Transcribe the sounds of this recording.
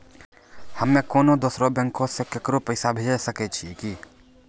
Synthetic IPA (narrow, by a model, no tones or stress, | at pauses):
həmːẽkoːnõd̪oːsɾobɛ̃ŋkõsekekɾopəɪsabʱed͡ʒesəket͡ʃʰiki